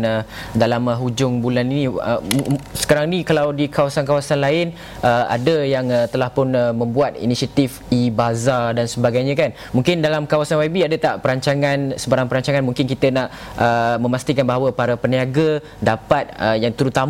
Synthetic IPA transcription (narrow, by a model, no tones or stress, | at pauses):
nə | dalaməɦud͡ʒʊŋbulaniniə̰sə̥kaɾaŋnikalawdikawasankawasanlaɪn | ʔəa̰dəjaŋət̪əlahpʊnəmə̃mbuat̪̚ḭnisiat̪if | ibazadansəbaɡajɲãkan | muŋkɪndalamkawasanwabiadət̪aʔpəɾaɲt͡ʃaŋãnsəbaɾaŋpəɾaɲt͡ʃaŋanmuŋkɪnkit̪ənaʔ | ʔəmə̃mast̪ikanbaɦawəpaɾapəniaɡə | dapat̪̚əjaŋt̪əɾut̪am